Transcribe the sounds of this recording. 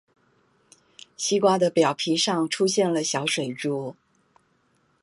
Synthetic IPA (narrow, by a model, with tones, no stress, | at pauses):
ɕi˥kwa˥d̪ə˨pjɑ˨˩ʊpʰi˧˥ʂɑ˥˧ŋʈ͡ʂʰu˥ɕjɛ˥˩nlə˩ɕjɑ˧˥ʊʂwe˨˩ɪʈ͡ʂu˥˩